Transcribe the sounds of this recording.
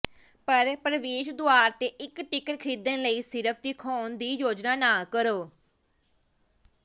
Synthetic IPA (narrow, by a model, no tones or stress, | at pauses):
pəɾpɾəʋeːʃd̪oaːɾt̪eːʔɪkʈɪkəɾkʰɾiːd̪ənləiːsɪɾəpʰd̪iːkʰɔːnd̪iːjoːd͡ʒnaːnaːkəɾoː